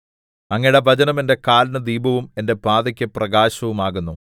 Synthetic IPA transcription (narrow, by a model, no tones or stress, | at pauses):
ɐŋːɐɽebʱɐt͡ɕɐnɐmende̞kaːlnɐd̪iːbɐʋume̞nde̞paːðɐkʲːɨprɐɡaːɕɐʋumaːɣunːu